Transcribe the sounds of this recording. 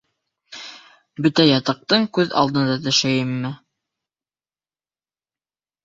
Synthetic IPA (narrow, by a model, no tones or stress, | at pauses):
bɵt̪æjɑt̪ɤ̆q̚t̪ɤɴkʉðɑ̰lˠd̪ɤ̆nd̪ɑt̪ɵ̆ʃæjɘmːɘ